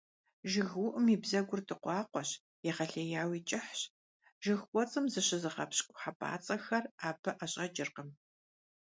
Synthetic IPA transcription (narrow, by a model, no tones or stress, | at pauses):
ʒɪɣwʊʔɨmiːbzɐɡʷʊrtʰɨqʷɑːqʷɔɕ | jɛχɐɬejaːwiːt͡ʃʼɪħɕ | ʒ̥ɨxkʷʼɔt͡sʼɨmzɨɕɪzɨχɐpɕʼkʷʼʊħapʰʼa̰ːt͡sʼɐxɐraːbɐʔɐɕʼɐd͡ʒʼɪrqəm